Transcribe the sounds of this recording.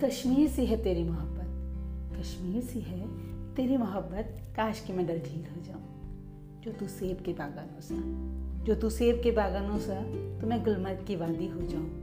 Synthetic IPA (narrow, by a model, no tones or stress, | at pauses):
kɐʃmiːɾsiɦɛt̪eːɾimɐɦəbːət̪̚kɐʃmiːɾsiɦɛt̪eːɾimɐɦəbːət̪̚kaːʃkimɛ̃ɖɐɾɖʱiːlɦod͡ʒaːũ | d͡ʒoːt̪useːbkebaːɡanõsad͡ʒoːt̪useːb̚kebaːɡaːnõsat̪omɛ̃ɡʊlmət̪kiʋaːd̪iɦod͡ʒaːũ